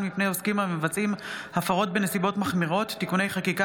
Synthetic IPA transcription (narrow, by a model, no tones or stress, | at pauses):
nmipnejoskimhamevat͡simhafaʁo̞t̚be̞ne̞sibo̞tmaχmiʁo̞tːikune̞jχakika